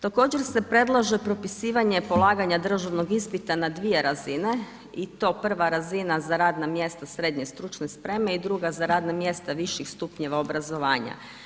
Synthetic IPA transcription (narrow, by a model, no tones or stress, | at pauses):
t̪ako̞ːd͡ʑeɾse̞pɾe̞d̪lˠaʒepɾo̞pisiːʋaɲe̞po̞lˠaːɡaɲad̪r̩ʒaʋno̞ɡispit̪anad̪ʋije̞ɾazine̞ | it̪o̞pr̩ʋaɾazinazaɾaːd̪namje̞st̪asɾed̪ɲe̞st̪ɾut͡ʃnespɾe̞me̞id̪ɾuɡazaɾaːd̪namje̞st̪aʋiʃixst̪upɲeʋaobɾazo̞ʋaːɲa̰